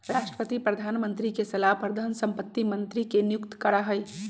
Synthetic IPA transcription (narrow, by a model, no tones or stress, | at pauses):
ɾaːʃʈɾəpət̪ipɾɐd̪ʱaːnmə̃nt̪ɾikesɐlaːpəɾd̪ʱəɦənsɐ̃mpət̪ːimə̃nt̪ɾikenjʊkt̪kɐɽaɦəi